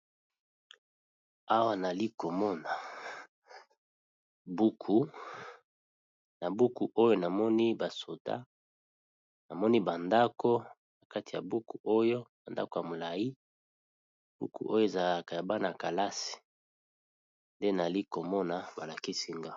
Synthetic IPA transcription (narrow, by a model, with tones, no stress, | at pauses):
a˦wa˦˨na˨li˦ko˨mɔ˦na˨ | bu˦kʰu˦ | na˨bu˦ku˨ʔo˦jo˦na˨mɔ˦ni˦ba˨so˨ta̰˦ | na˨mɔ˦ni˦ba˨nda˦ko˦ | na˨ka˦ti˨ja˨bu˦ku˨ʔo˦jo˦ba˨nda̰˦ko˨ja˨mo˨la˨ji˦ | b̥ṵ˦kṵ˨ʔo˦jo˦e˨za˨la˨ka˨ja˨ba˦na˨ka˨la˦si̥˨ | nde˦na˨li˦ko˨mɔ˦na˨ba˨la˨ki˦si˦ŋɡa˦